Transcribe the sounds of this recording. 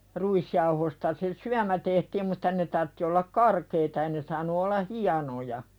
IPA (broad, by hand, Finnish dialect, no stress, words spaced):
ruisjɑuhostɑ se syæmæ tehtiːm mutˑɑ ne tɑrtːi olːɑk kɑrkeitɑ ei ne sɑːnu olːɑ hiɑnojɑ